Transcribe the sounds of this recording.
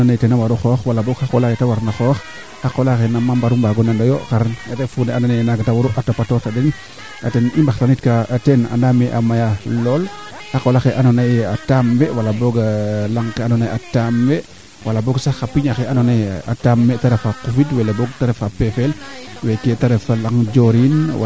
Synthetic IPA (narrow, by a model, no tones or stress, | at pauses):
anonajtenawaɾuxɔxwalaboɡxakolaketawaɾnaxɔːx | xakolaxenamambaɾumbaɡɔnandajoxaɾanatefuneanonanaɡatawuɾuʔatapatoɾtaden | a̰tenimbaxtanitkaːtena̰nameʔa̰majalɔl | xakolaxeʔanonajatamwewalaboɡalaŋkanɔnajatamwe | walaboɡsaxapiɲaxeanonaja̰tamːɛtaɾefakufidwɛleboɡtaɾefapefelwɛketaɾɛfalaŋd͡ʒoɾinw